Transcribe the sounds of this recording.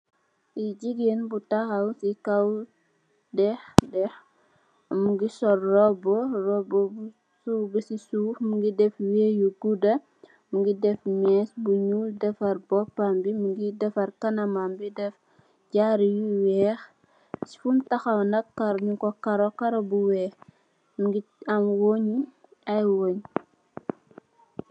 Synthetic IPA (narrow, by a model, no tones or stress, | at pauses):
iɟiɡenbutɐxɐwsikɐw | dɛxdɛx | muɡisɔrːɔbɔrɔbɔ | subisisufmuŋɡidɛfwɛːjuɡudɐ | muŋɡidɛfmɛsbuɲudɛfɐɾbɔpːambimuɡidɛfɐɾkɐnɐmambidɛf | ɟaɾijuwɛːx | si̥fumtɐxɐwnɐkkɐɾɲukɔkɐɾɔkɐɾɔbuwɛːx | muɡiɐmwoɲi | ɐjwoːɲ